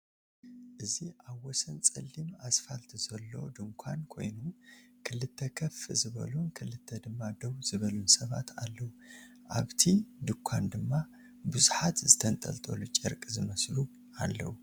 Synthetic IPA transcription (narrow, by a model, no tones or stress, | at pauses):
ʔɨziʔaβwɔsɐnt͡sʼɐlːimasfalt̪ʰzɐlːo̞̰d̪ɨŋkʷʰankʰo̞̰jnukʰɨlɨt̪ʰːɐkʰɐfɨzɨβɐ̰lunkʰɨlɨt̪ʰːɐd̪ɨmːad̪ɐwzɨβɐlunsɐβa̰t̪ʰalːɐwu | ʔa̰βt̪ʰid̪ɨŋkʷʰːand̪ɨmːa | bɨzuħat̪zɨt̪ʰɐnt̪ʼɐ̰lt̪ʼolut͡ʃʼɐɾkʼzɨmɐslu | alːɐ̰wu